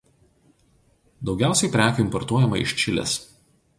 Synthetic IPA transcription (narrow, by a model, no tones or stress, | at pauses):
d̪ɒʊɡʲæˑʊsʲɛɪpʲɾʲæːkʲʊːɪmpɔɾt̪uɔjɛmɐɪ̰ʃʲt͡ʃʲɪlʲɛ̰s